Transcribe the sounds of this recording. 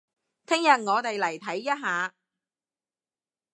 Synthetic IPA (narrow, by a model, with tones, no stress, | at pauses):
t̪ʰɪ˥ŋjɐ˨t̚ŋɔː˨˧t̪e˨jlɐ˨˩jt̪ʰɐ˨˥jːɐ˥t̚ɦaː˨˧